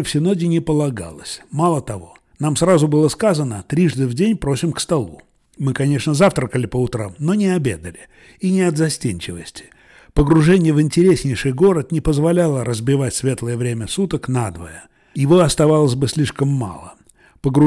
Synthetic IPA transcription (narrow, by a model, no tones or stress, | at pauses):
fsʲɪno̞dʲɪnʲɪpəlˠɐɡa̰lˠəsʲmalˠət̪ɐvo̞̰ | namsɾazʊbɨlˠəskazənət̪ɾʲiʐd̪ɨvdʲenʲpɾosʲɪmkst̪ɐlˠu | mɨkɐnʲe̞ʂnəzaft̪ɾəkəlʲɪpəʊt̪ɾa̰mno̞nʲɪɐbʲḛd̪əlʲɪ | inʲɪɐd̪zɐsʲtʲenʲt͡ɕɪvəsʲtʲɪ̥ | pəɡɾʊʐɛnʲɪjəvɨnʲtʲɪɾʲesʲnʲɪjʂɨjɡo̞ɾət̪nʲɪpəzvɐlʲalˠəɾəzbʲɪvatʲsʲvʲe̞t̪ləjəvɾʲemʲəsut̪əknad̪və̰jə | jɪvoɐst̪ɐvalˠəsʲbɨsʲlʲiʂkəmːa̰lˠə | pəɡɾʊ